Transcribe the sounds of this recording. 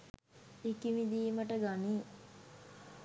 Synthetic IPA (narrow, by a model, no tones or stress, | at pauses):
ikimid̪iːməʈəɡani